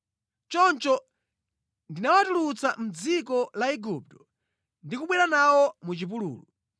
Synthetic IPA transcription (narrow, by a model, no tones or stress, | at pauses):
t͡ʃɔnt͡ʃɔ | ndinawatulut͡sam̩d͡zikɔlaɛɡup̚tɔ̥ | ndikuɓwɛɾanawɔmut͡ʃip̬ulṵːlu